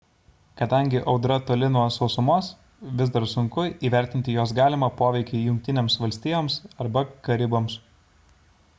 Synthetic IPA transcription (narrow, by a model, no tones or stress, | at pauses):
kɐd̪ɐŋʲɡʲɪʔɒʊd̪ɾɐt̪oːlʲɪnoɔːsɒʊsʊmoːs | ʋʲɪzd̪ɐɾsʊŋkʊiːʋʲɛˑɾʲt̪ʲɪnʲt̪ʲɪjoːs̬ɡɑːlʲɪmɐpoːʋʲɛɪkʲɛɪjʊŋʲk̚ʲt̪ʲɪnʲeːmsʋɐlʲsʲt̪ʲiːjoːmsɐɾbɐkɐɾʲɪboːms